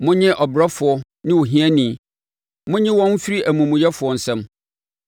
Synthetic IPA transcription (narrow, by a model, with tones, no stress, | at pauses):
mʊ̃˦ɲɪ̃˦ʔɔ˨bɾa˦fʊ˨ɔ˦ | nɪ̃˦wo˨ɦĩ˦æ˦nĩ˨ | mʊ̃˦ɲɪ̃˦wɔ̃˦n̩˦fi˦ɾi˦ʔæ˨mũ˨mũ˨jɛ˦fʊ˨ɔ˦n̩˨sɛ̃˦m